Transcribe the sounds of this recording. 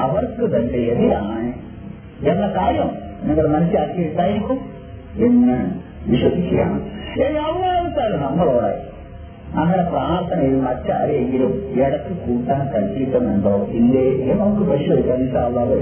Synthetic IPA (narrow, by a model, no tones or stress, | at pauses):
ɐʋɐrkɨt̪ɐnːejɐðijaːɳɨ | enːɐkaːɾjɐmnɐŋːɐɭmɐnɐsilaːkːieiʈ̪ːaːjiɾikʲːum | eŋːaːɳ | ʋiɕwɐsikʲːɐja̰ːɳmeŋːɐʋɐnɐɐʋɐsaːlɐnɐmːɐɭoːɽḛ | nɐŋːɐɽepraːrt̪ʰɐnɐjilmɐtːɐ̰ɐ̰ɾɐeŋɡilumeɽɐkːɨkuːʈːaːnkɐlt͡ɕːiʈːɐmeɳɖoːind̪eenɐmɐkːɨpɐʂɐðikʲːaːninɕaːɐlːaːʋ